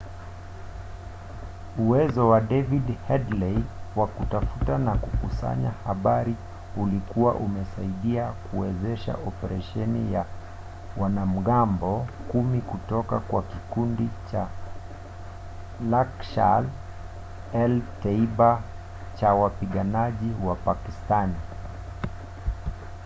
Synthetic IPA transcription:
uwɛzɔwaɗɛvidhɛdlɛjwakutafutanakukusa̰ɲahaɓaɾi | ulikuwa̰ʔumɛsaiɗiakuwɛzɛʃa̰ʔɔpɛɾaʃɛnḭja | wanam̩ɠambɔkumikutɔkakwakikundit͡ʃa | lakʃa̰l | ɛltaiɓa | t͡ʃawapiɠanaʄiwapakistani

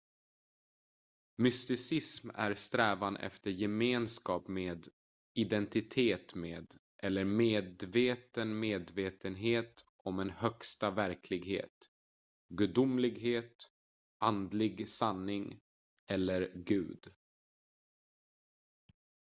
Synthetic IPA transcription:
mʏst̪ɪsɪsmæ̰ɾst̪ɾɛːvanʔɛ̰ft̪əɾjɛmeːnskɑːpmeːd̪ | ɪd̪ɛnt̪ɪt̪ʰeːt̪meːd̪ | ʔɛlːəɾmeːd̪veːt̪ənmeːd̪veːt̪ənɦeːt̪ | ɔmɛnhœkst̪avæɾkʰlɪɡɦhḛːt̪ | ɡɵd̪ʊmlɪɡɦeːt̪ | ʔand̪lɪɡsanːɪŋ | ɛlːəɾɡʉ̟ːd̪

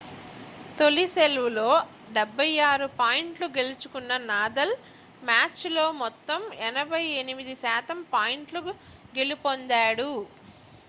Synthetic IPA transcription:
t̪o̞lise̞lʋulo̞ː | ɖɛbʱːɐjaːɾupaːjiɳʈluɡe̞lut͡ʃu̥kunːɐnaːd̪ɐl | maːt͡ʃlo̞ːmɔt̪ːɐmɛnɐbʱɐjenimid̪isaːt̪ɐmpaːjiɳʈlu | ɡe̞lipond̪aːɽu

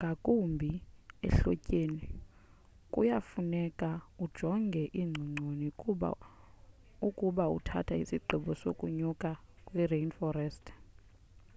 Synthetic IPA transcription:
ŋɡʱakʼumbʱiɛ̰ɬɔcʼeːni | kʼṵjafunɛkʼaud̥ʒ̥ʱɔŋɡʱɛʔiŋ͡ǀʱiŋ͡ǀʱonḭ | ukʼuɓaṵtʰa̰tʰaisiǃʱiɓɔsokʼuɲukʼakʼwirejnfɔɾɛstʰʼ

